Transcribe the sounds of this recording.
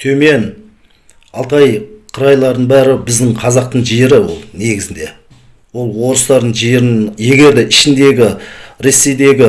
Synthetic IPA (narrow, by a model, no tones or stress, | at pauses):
t̪ʰɵme̞n | ɑlˠt̪ɑjqʰəɾɑjlˠɑɾd̪əɴbæɾɪbɪzd̪ɪɴqʰɑzɑq̚t̪əɴʒieɾɪwo̰lˠne̞ɡʲɪzɪnd̪e̞ | wo̞lˠwo̞ɾəst̪ɑɾd̪əɴʒijɾɪnje̞ɡʲe̞ɾd̪e̞ʔɪʃɪnd̪e̞ɡʲɪɾe̞sːe̞jd̪e̞ɡʲɪ